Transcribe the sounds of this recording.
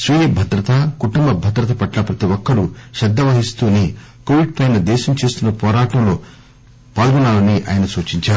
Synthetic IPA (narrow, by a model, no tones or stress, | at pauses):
sʋijebʱɐd̪ɾɐt̪ɐkuʈumbɐbʱɐd̪ɾɐt̪ɐpɐʈlɐpɾɐt̪iʋɔkːɐɽuʃɐd̪ːɐʋɐɦist̪uːni | koːʋiɖ̚pɐjnɐd̪ɛːʃɐmt͡ʃe̞ːst̪unːɐpɔːɾaːʈɐmlo̞ː | paːlɡunaːlɐniʔa̰ːjɐnɐsuːt͡ʃiɲt͡ʃaːɾu